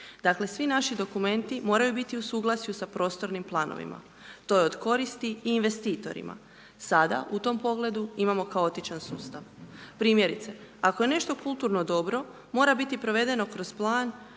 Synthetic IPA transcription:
d̪akle̞sʋinaʃid̪o̞kume̞nt̪imo̞ːɾajubit̪iusuːɡlˠasijusapɾo̞ːst̪o̞ɾnimplˠaːno̰ʋḭma̰ | t̪o̞jeod̪ko̞ɾist̪iiːnʋe̞st̪iːt̪o̞̰ɾḭma̰ | sad̪a̰ʔut̪o̞mpo̞ɡle̞d̪uimamo̞kao̞t̪it͡ʃansuːst̪aʋpɾiːmje̞ɾit̪se̞akoje̞ne̞ʃt̪o̞kulˠt̪uɾno̞d̪o̞bɾo̞ | mo̞ːɾabit̪ipɾo̞ʋe̞d̪e̞no̞kɾo̞z̥plˠaːn

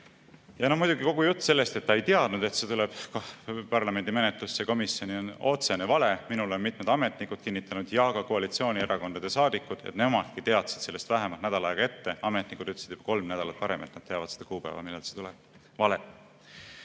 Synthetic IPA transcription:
jɑno̞mujd̪̥uɡiko̞ɡ̥ujut̪ːse̞lːe̞st̪e̞t̪ːɑejt̪eɑd̪̥nud̪̥e̞t̪se̞t̪uleb̥kpɑrlɑme̞nd̪̥ime̞net̪lusːeko̞misjo̞nio̞no̞t̪se̞nevɑle̞minulo̞nmit̪ˑmed̪̥ɑme̞t̪ˑnikːud̪̥̚kinːit̪ːˑɑnud̪̥jɑɡ̥ɑkoɑlit̪sio̞ːnʲieɾɑko̞nd̪ɑd̪̥e̞sɑːd̪ikːud̪̥et̪ne̞mɑd̪̥̚kit̪eɑt̪sid̪se̞lːe̞st̪væɦemɑlt̪næd̪̥ɑlɑeɡ̥ɑe̞t̪ːe̞ɑme̞t̪ˑnikːˑud̪̥yt̪ːesid̪ub̥ɑ̥ko̞lmnæd̪ɑlɑt̪̚pɑɾe̞met̪nɑt̪̚te̞ɑvɑt̪sed̪ɑkuːpæ̰vɑ̰milːelset̪ulɛb̥̚ | vɑle̥

